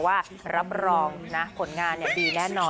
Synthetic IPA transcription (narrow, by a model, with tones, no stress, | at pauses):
waː˥˩ | ɾa˦˥p̚ɾɔː˧ŋna˦˥pʰo˩˦nŋaː˧nːi˧˥˩diː˧nɛː˥˩nɔː˧